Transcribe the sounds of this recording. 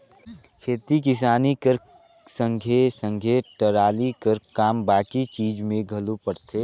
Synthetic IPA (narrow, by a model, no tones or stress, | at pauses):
kʰeːt̪ik̬ɪs̬aːnikəɾ | sə̃ŋɡʱesə̃ŋɡʱeʈəɾaːlikəɾkaːmbaːkit͡ʃiːd͡ʒmẽɡʱɐlupəɽt̪ʰeː